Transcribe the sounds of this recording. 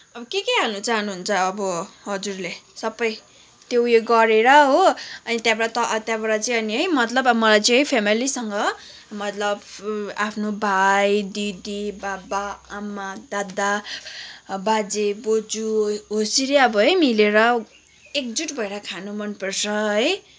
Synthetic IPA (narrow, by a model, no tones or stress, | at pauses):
ʌbʌkekeɦanut͡saɦnuɦunt͡sʰʌːbʌɦʌd͡zurlesʌbʌj | t̪jowjeɡʌɾeɾʌɦoʌnit̪jabʌɽat̪ʌt̪jãbʌɽat͡sʌjʌniɦʌjmʌt̪lʌbʌmʌlajt͡sʌ̃ʌjpʰemilisʌŋɡʌ | mʌt̪lʌbapʰnobʱajd̪id̪ibabaːmːad̪ad̪a | bad͡zebod͡zuɦosiɾeʌbʌɦʌjmileɾʌ | ek̚d͡zuʈbʱʌeɾʌkʰanumʌnpʌrt͡sʰʌɦʌj